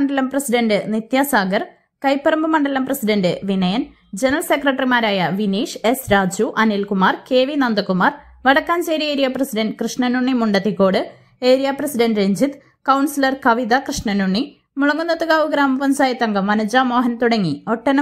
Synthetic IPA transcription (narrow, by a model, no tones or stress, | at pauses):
ɐɳɖɐlɐmprɐsiɖɐnɖɨnit̪jaːsaːɡɐr | kɐjpːɐɾɐmbɨmɐɳɖɐlɐmprɐsiɖɐndɨʋinɐjɐn | d͡ʑenɐɐlsekrɐʈːrimaːɾaːjɐʋiniːʂe̞sɾaːd͡ʑuʔɐnilkumaːrke̞ːʋinɐnd̪ɐkːumaːr | ʋɐɽɐkːaːnt͡ɕeːɾieːɾijaprɐsiɖɐnɖkrɨʂɳɐnuɳːimuɳɖɐt̪ːikːo̞ːɽɨ | eːɾijaprɐsiɖɐnɖɾeɲd͡ʑit̪ | kɐwɳsilɐrkɐʋiðɐkrɨʂɳɐnuɳːi | muɭɐŋːunːɐt̪ːuɣaːʋuɡɾaːmɐʋɐmsaːjɐt̪ːɐŋɡɐmːɐnɐd͡ʑaːmo̞ːɦɐnt̪uɽɐŋːio̞ʈːɐn